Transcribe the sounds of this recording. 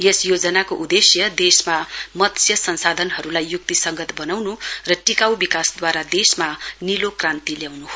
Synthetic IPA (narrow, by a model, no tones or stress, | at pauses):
jesjod͡zʌnakoʔud̪esjʌd̪esmamʌt̪sjʌsʌnsad̪ʱʌnɦʌɾulajːuk̚t̪isʌŋɡʌt̪bʌnawnurʌʈikawbikasd̪waɾad̪esmanilokrãnt̪iljawnuɦo